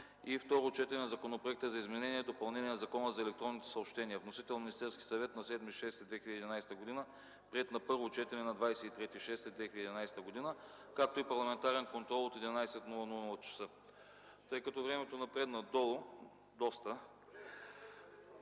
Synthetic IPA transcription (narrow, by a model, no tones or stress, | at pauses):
ift̪ɔɾot͡ʃɛt̪ɛnɛnɐzɐkonopɾoɛk̚t̪əzɐizmɛnɛniɛd̪opɐlˠnɛnʲiɛnɐzɐkɔnəzɐɛlɛk̚t̪ɾɔnːit̪ɛ̥sɐopʃt̪ɛniɐvnosit̪ɛlˠnminist̪ɛɾskʲi̥sɐvɛt̪nɐsɛd̪miʃɛst̪ɛd̪vɛxiləd̪ɛːd̪inajsɛ̥t̪əɡod̪inə | pɾiɛt̪nɐpɤɾvot͡ʃɛt̪ɛnɛnɐd̪vajsɛit̪ɾɛt̪iʃɛst̪ɛd̪vɛxilʲəd̪id̪inajsɛ̥t̪əɡod̪inə | kak̚t̪oipɐɾlˠɐmɛnt̪aɾɛnkont̪ɾɔlˠot̪ɛd̪ʲinajsɛt̪nulˠənunɐlˠɐt͡ʃɐ̥sɤ | t̪ɤjkɐt̪ɔvɾɛmɛt̪onɐpɾɛd̪nɐd̪ɔlˠo | d̪ɔst̪ə